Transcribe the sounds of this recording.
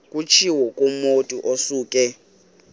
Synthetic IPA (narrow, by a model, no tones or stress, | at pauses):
kʼut͡ʃʰiwɔkʼomotʼiʔosuːkʼɛ